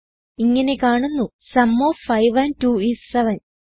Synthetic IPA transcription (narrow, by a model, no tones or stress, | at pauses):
iŋːɐne̞kaːɳunːu | sɐmːoːfɐjʋɐntuːissɐʋɐn